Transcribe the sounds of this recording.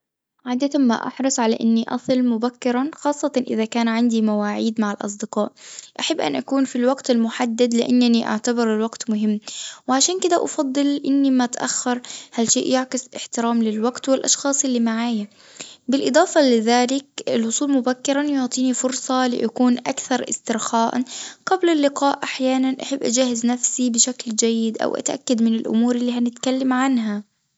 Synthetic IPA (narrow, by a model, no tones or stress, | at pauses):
ʕaːd̪at̪ama̰ʔɑ̰ħɾˤɑsˤʕalaʔɪnːiʔɑ̰sˤɨlmʊbakːɪɾˤɑnxɑːsˤːɑt̪ɑʔɪðakaːnʕand̪imawaːʕiːd̪maʕɪlʔɑ̰s̬ˤd̪ɪqɑːʔʔaħabːʔa̰nʔakuːnfilwaɡt̪ɪlmʊħad̪ːad̪lɪʔanːaniʔa̰ʕt̪abɪɾɪlwaɡt̪mʊɦɪmːwɪʕaʃaːnkɪd̪aʔɑ̰fɑd̪ˤːɨlʔɪnːimat̪ʔa̰xːɑɾˤhalʃeːʔjɪʕkɪslɪħt̪ɪɾaːmlɪlwaɡt̪wɪlʔɑ̰ʃxɑːsˤʔɪlːimaʕaːja | bɪlʔɨd̪ˤɑːfɑlɪðaːlɪk̚ɪlwʊsˤuːlmʊbakːɪɾanjʊʕt̪ˤiːnifʊɾsˤɑlɪ̰ʔakuːnʔakθɑɾˤʔɪ̰st̪ɪɾxaːʔaɡ̥ablɪlːɪqɑːʔʔaħjaːnanʔaħɪbːʔad͡ʒaːhɪznafsibɪʃakld͡ʒajːɪd̪ʔa̰wʔa̰t̪ʔa̰kːad̪mɪnɪlʔʊ̰muːɾˤɪlːiːhanɪt̪kalːamʕanɦa